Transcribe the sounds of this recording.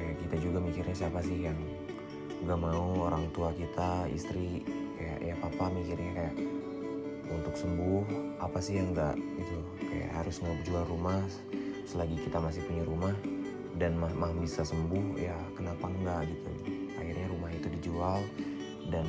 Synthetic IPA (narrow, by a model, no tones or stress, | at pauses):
kajaʔkit̪ad͡ʒuɡamikɪrɲas̬iapasɪhjaŋ | ɡaʔmauoɾaŋt̪uakit̪aḭst̪ɾikaja̰ʔjapapamikirɲakajaʔ | unt̪ʊksəmbʊhapasɪɦjaŋɡa̰ʔɡit̪u | ka̰ja̰ʔɦaɾʊsŋaup̚d͡ʒualrumah | səlaɡikit̪amas̬ɪhpuɲaɾumah | danmahmahbisasəmbʊhja | kənapaŋɡaʔɡit̪ṵa̰hirɲaɾumaɦit̪udid͡ʒual | dan